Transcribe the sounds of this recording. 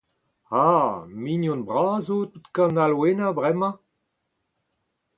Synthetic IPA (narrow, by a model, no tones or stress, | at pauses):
aːminjɔ̃nbʁaːzot̪ut̪kãnalwenabʁɛmɑ̃